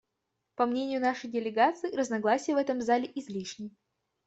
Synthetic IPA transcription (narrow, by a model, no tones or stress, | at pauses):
pɐmnʲenʲɪjʊnaʂəjdʲɪlʲɪɡat̪sɨːɾəznɐɡlˠasʲɪjəvɛt̪əmzalʲɪʔɪzʲlʲiʂnʲɪj